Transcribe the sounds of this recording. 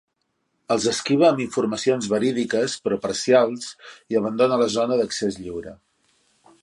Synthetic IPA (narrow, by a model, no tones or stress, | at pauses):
əlˠzəskiβ̞əːmiɱfurməsionzβəɾiðikəspɾɔpəɾsialˠsiəβ̞ənd̪onələzonəðəksezʎiwɾə